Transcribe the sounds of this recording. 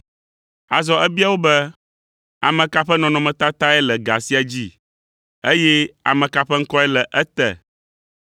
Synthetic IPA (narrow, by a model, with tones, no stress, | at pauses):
a˨zɔ˦ɛ˦bi˦a˦wo˦bɛ˦ | a˨mɛ̃˨ka˦ɸɛ˦nɔ̃˨nɔ̃˨mɛ̃˨t̪a˦t̪a˦ɛ˦lɛ˨ɡa˨si˦a˨d͡ʑi˦ | e˦jɛ˦a̰˨mɛ̃˨ka˦ɸɛ˦ŋ̩˦kɔ˦ɛ˦lɛ˨ʔɛ˦t̪ɛ̰˨